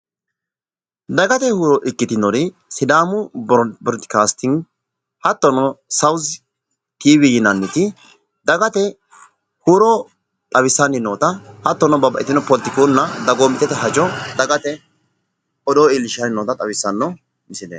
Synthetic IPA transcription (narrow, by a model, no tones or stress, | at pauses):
d̪ɐɡɐt̪ɛhuːɾɔʔɪkːɪt̪ɪnɔɾɪ | sɪd̪aːmʊbɔɾt̪ɪ̥kaːst̪ɪŋ | hɐt̪ːɔnɔsɐwz | t̪iːbɪjɪnɐnːɪt̪ɪ | d̪ɐɡɐt̪ɛ | huːɾɔ | t̪ʼɐwɪsːɐnːɪnoːt̪ɐhɐt̪ːɔnɔbɐbɐʔɪt̪ɪnɔpɔlt̪ɪkonːɐd̪ɐɡoːmɪt̪ːɛt̪ɛɦɐd͡ʒɔd̪ɐɡɐt̪ɛ | ɔd̪ɔɪlɪʃɐnɪnːoːt̪ɐt̪ʼɐwɪsːɐnːɔ | mɪsɪd̪ḛː